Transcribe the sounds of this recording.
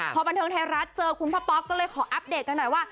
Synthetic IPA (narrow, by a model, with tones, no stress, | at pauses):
pʰɔː˧ba˧nt̪ʰɤː˧ŋt̪ʰe˧ɾa˦˥t̪̚t͡ɕɤː˧kʰu˧npʰaː˦˥˩pɔ˦˥k̚kːɔː˥˩lɤː˧jkʰɔː˩˦ʔa˦˥p̚deː˨˩t̪̚ka˧nːɔ˨˩jwaː˥˩